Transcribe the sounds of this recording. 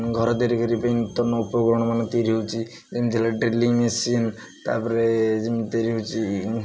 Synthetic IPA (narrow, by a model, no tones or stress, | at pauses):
ɡʱɔɾɔd̪eɾikəɾipajnut̪ːɔnːɔupɔɡɾɔɽ̃ɔmanɔt̪eɾiɦowt͡ʃʰi | d͡ʒemid̪ʰʱilaɖɾiliŋmesin | t̪a̰ɾpɔɾed͡ʒemit̪eɾiɦot͡ʃʰi